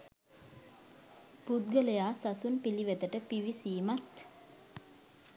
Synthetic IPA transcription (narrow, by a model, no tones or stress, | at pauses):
pud̪̚ɡələjaːsasunpiliʋet̪əʈəpiʋisiːmat̪